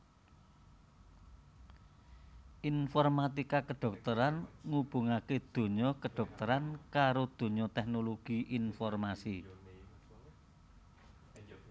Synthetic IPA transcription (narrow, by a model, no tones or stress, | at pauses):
ʔinfɔrmat̪ikakəɖ̥ɔ̤k̚t̪əɾanŋub̥ṳŋaked̪̥o̤ɲɔkəɖ̥ɔ̤k̚t̪əɾankaɾod̪̥o̤ɲɔt̪ɛk̚noloɡ̥iʔinfɔrmasi